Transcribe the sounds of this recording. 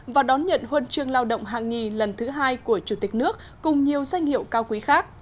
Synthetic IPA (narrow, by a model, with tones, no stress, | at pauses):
vaː˨˩ɗɔ˨˦nɲə̰˧˨nhwə˧nt͡ɕɨ˧əŋlaː˧wɗə̰˧˨ŋ͡mɦaː˨˩ŋŋi˨˩lə˨˩nt̪ʰɨ˨˦ɦaː˧jku˧˩ət͡ɕu˧˩t̪ï˨˩k̟̚nɨ˦˥ək̚ːʊ˨˩ŋ͡mɲi˨˩əwza˧jŋ̟hḭ˧˨ə˨wkaː˧wkwi˨˦xaː˦˥k̚